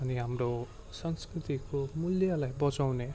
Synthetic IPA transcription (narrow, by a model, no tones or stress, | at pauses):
ʌniɦamro | sʌŋskɾrit̪ikomuljalajbʌt͡sawne